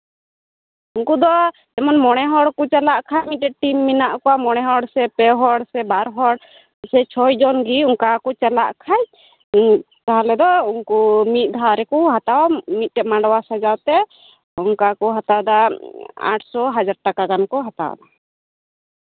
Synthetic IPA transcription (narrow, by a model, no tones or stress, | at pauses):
unkud̪ɔ | ɛmɔnmɔɽ̃ɛɦɔɽkɔt͡ʃɛlaʔkʰajmiɛʈimːinaʔkɔwamɔɽ̃ɛɦɔɽsɛpɛɦɔɽsɛbaɾɦɔɽ | sɛt͡ʃʰɔjd͡ʒɔnɡiuŋkakɔt͡ʃɛlaʔkʰaj | t̪aɦalɛd̪ɔunkumit̪̚ˀd̪ʱaɾɛkuɦat̪awmit̪̚ˀɛmaɳɖwasad͡ʒat̪ɛ | uŋkakɔɦat̪ad̪aa̰ʈʰsɔɦad͡ʒaɾ̚ʈakaɡankɔɦat̪a̰w̰d̪a